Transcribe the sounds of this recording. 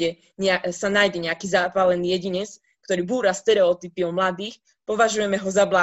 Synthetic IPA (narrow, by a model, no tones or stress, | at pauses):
ɛ | ɲɛasanajɟɛɲɛakiːzaːpalɛniːjɛɟiɲɛt͡s | k̚t̪ɔɾiːbuːɾast̪ɛɾɛɔt̪ipiɔmlad̪iːx | pɔʋaʒujɛmɛɦɔzabla